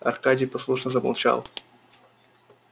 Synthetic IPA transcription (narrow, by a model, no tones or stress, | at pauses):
ɐ̰rkadʲɪjpɐslˠuʂnəzəmɐ̰lˠt͡ɕa̰lˠ